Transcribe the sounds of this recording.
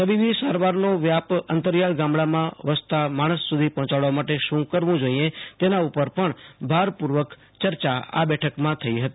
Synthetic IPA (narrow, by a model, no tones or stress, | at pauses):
k̪əʋiʋisaɾʋaɾnoʋjapənt̪əɾjaɭɡãmbɭamãʋəst̪amaɽ̃əsːud̪ʱipɔ̃ɦɔ̃t͡ʃaɭʋamaʈeʃũkəɾʋũd͡ʒoiẽt̪enaupəɾpəɳbʱaɾpuɾʋək | t͡ʃəɾt͡ʃaa̰bɛʈʰəkmãt̪ʰəiɦət̪ii